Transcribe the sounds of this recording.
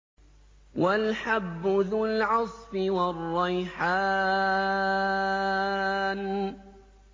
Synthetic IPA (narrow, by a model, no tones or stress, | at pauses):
walħabːʊðʊlʕɑsˤfɪwɑrˤːɑjħaː | n